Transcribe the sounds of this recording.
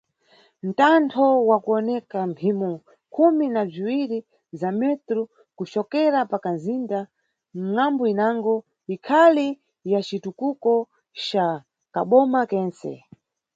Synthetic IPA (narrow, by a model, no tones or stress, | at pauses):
n̩tantʰɔwakuɔnɛkam̩pʰimɔ | kʰuminab͡ʐiwiɾi | zamɛtɾu | kut͡ʃɔkɛɾapakanzinda | m̩ŋambɔinaŋɡɔ | ikʰali | jat͡ʃitukukɔ | t͡ʃa | kaɓɔmakɛːnsɛ̰